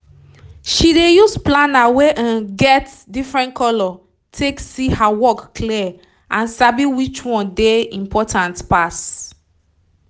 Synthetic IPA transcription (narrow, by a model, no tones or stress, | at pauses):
ʃidejusplanaweʔãnɡɛt | difɹɛ̃nkɔlɔ | tʰeksihawɔkːli | ʔãnsabiwit͡ʃwɔ̃ndeĩmpʰɔtʰãntpas